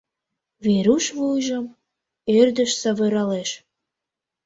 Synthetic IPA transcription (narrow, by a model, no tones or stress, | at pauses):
βeɾuʃβujʒəm | erd̪əʃsɑβɤ̆ɾɑleʃ